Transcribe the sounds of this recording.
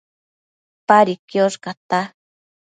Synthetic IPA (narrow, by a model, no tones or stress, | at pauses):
paɾikjoʃkat̪a